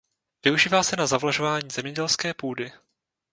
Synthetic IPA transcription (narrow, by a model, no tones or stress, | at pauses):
vɪuʒiːvaːsɛnazavlaʒo̞vaːɲiːzɛmɲɛɟɛlskɛːpuːdɪ